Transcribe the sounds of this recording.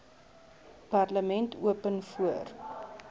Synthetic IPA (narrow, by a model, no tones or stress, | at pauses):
parləmɛntuəpənfuər